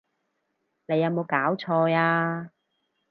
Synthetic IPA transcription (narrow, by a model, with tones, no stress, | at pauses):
ne˨˧jɐ˨˧wmo˨˧wkaː˨˥wt͡sʰɔː˧jaː˧